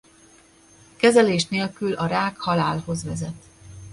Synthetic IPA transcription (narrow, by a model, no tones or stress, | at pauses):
kɛzɛleːʃneːlkylɒɾaːkhɒlaːlho̞zʋɛzɛt̪